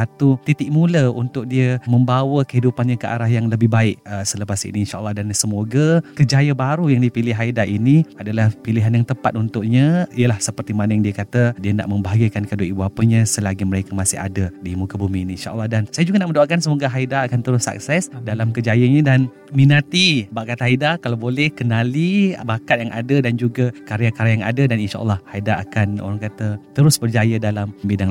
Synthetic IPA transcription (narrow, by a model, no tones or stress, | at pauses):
at̪ut̪it̪ɪʔ̚muləṵnt̪ʊk̚diəməmbawəkəɦidupanɲakəʔa̰ɾaɦjaŋləbɪhbaɪk̚əsələpasḭniːnʃaʔə̰lːɑhdansəmoɡakəd͡ʒajəbaɾujaŋdipilɪɦaidaʔiniadalahpiliɦanjaŋt̪əpat̪unt̪ʊʔɲə̃iəlahsəpərt̪imanəjaŋdiəkat̪ədiəna̰ʔməmbaɦaɡəkankadoibuapəɲãsəlaɡiməɾekəmasɪ̰ha̰dədimukabuminiinʃa̰ʔə̰lːɑhdansajad͡ʒuɡanaʔməndoakansəmoɡaɦaidaːkant̪əɾʊsa̰k̚sɛsdalamkəd͡ʒajəɲãdan | minat̪ibaʔkat̪ɦaidakalabolɛhkənalibakat̪̚jaŋʔa̰dədand͡ʒuɡakaɾiakaɾjaŋa̰dadaninʃa̰ʔə̰lːɑhhaida̰ːkano̰ɾaŋkat̪ət̪əɾʊsbərd͡ʒajədalammbidaŋ